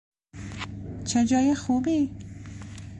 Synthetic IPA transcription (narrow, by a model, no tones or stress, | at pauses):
t͡ʃʰed͡ʒɒːjexuːbiː